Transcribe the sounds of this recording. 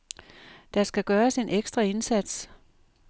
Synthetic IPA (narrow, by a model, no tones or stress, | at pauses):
d̥ɑ̈sɡ̥æɡ̥ɶːɐse̝nʔeɡ̥sd̥ʁɐe̝nsæd̥s